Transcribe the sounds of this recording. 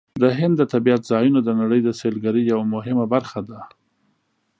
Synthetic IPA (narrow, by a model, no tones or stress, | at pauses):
d̪əɦɪnd̪ːət̪abiat̪zɑjunod̪ənaɽəjd̪əselɡaɾijawamʊɦɪmabaɾxad̪a